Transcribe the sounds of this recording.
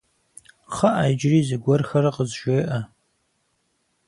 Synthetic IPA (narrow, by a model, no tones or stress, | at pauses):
χaʔajd͡ʒrizɨɡʷɔrxaɾaqʼəzʒoːʔa